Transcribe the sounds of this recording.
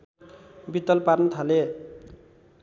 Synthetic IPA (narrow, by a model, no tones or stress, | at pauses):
bit̪ːʌlparnʌt̪ʰale